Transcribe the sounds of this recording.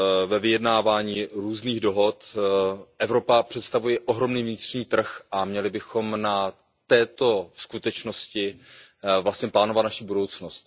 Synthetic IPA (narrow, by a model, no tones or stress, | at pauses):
vɛvɪjɛdnaːvaːɲiːɾuːzniːɣdo̞ɦo̞t̪ | ʔɛvɾo̞papr̥ɛt̪st̪avujɛʔoɦɾo̞mniːvɲɪt̪r̥ɲiːt̪r̩xʔamɲɛlɪbɪxo̞mna | t̪ɛːt̪o̞skut̪ɛt͡ʃnoscɪ | vlastɲɛplaːnovat̪naʃibudo̞wt͡snost̪